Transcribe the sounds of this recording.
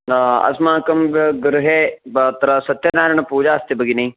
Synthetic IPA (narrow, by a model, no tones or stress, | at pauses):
ɐ̰smaːkɐmbɡɾuɦebɐt̪ɐɾɐsɐt̪ːjɐnaːɾɐɳ̃ɐpuːd͡ʒaːɐst̪ibɐɡinɐi